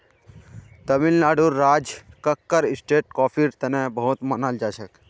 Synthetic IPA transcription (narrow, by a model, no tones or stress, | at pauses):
t̪əmilnaːɖuːɾːaːd͡ʒkəkːəɾɪsʈeːʈ̚kɔːpʰiɾt̪ənẽbəɦut̪mənald͡ʒaːʃək